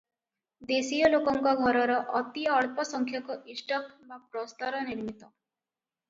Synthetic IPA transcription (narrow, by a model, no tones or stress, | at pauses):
d̪esijɔlokɔŋkɔɡʱɔɾɔɾɔʔʌt̪iːɭpɔsəŋkʰjɔkɔisʈɔkʋapɾɔst̪ɔɾɔniɾmit̪ɔ